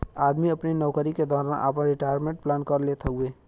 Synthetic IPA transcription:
aːd̪miɐpninɔːkəɾiked̪ɔːɾaːnʔa̰ːpə̃ɾɪʈaːjəɾmẽɳʈ̚plaːnkɐɾleːt̪ʰaɦʊeː

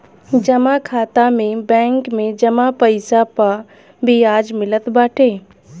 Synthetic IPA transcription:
d͡ʒɐmakʰaːt̪amẽbɛ̃ːŋkmẽd͡ʒɐmapəɪsapa | biaːd͡ʒmɪlət̪baːʈʰeː

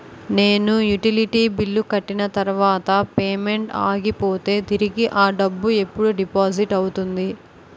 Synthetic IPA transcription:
ne̞ːnujuʈiliʈiːbilːukɐʈːinɐt̪ɐɾuʋaːt̪ɐpeːme̞ɳʈa̰ːɡipo̞ːt̪e̞ːt̪iɾiɡiʔaːɖɐbːue̞pːuɽuɖipaːd͡ʒiʈɐwt̪und̪i

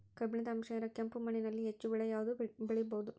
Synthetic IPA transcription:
kɐbinit̪ɐɐmʂɐjɐɾɐkɐmpumɐninɐlːiɦet͡ʃːuʋɛɭɐjaːʋɐd̪ubeɭijbɐud̪u

